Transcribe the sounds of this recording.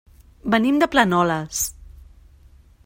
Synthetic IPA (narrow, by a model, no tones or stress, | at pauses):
bənimd̪əplənɔləs